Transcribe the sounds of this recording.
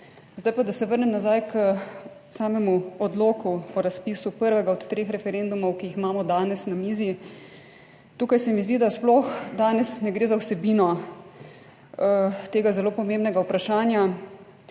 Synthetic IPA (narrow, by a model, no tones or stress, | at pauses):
zd̪ajpad̪asɛʋəɾnɛmnazajk | saːmɛmuɔd̪loːkuɔɾaspiːsupəɾʋɛɡaɔt̪t̪ːɾeːxɾɛfɛɾend̪umɔwkijiximaːmɔd̪aːnɛsnamiːzi | t̪uːkajsɛmizd̪id̪asplɔxd̪aːnɛsnɛɡɾeːzawsɛbinɔ | t̪eːɡazɛloːpɔmẽmbnɛɡaupɾaʃaːnja